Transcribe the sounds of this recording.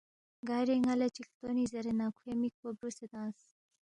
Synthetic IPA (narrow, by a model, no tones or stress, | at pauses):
ɡajɾeŋalet͡ɕikt̪onizɐɾenakʰwemik̚pobɾuset̪ãːs